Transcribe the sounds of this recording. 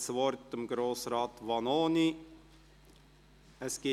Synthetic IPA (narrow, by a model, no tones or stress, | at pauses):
svɔɾt̪əmɡɾoːsɾɑːt̪vɑnoːni | əsɡ̥e